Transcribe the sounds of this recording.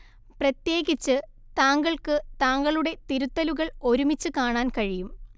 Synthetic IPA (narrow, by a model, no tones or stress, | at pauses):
prɐt̪je̞ːɣit͡ɕːɨ | t̪aːŋɡɐɭkɨt̪aːŋɡɐɭuɽe̞t̪iɾut̪ːɐluɣɐɭo̞ɾumit͡ɕːɨkaːɳaːnkɐɻijum